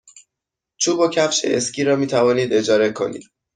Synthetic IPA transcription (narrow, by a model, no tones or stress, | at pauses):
t͡ʃʰuːbocʰæfʃḛʔescʲʰiːɾɒːmiːt̪ʰævɒːniːd̪e̞d͡ʒɒːɾe̞kʰo̞̰nḭːd̪̥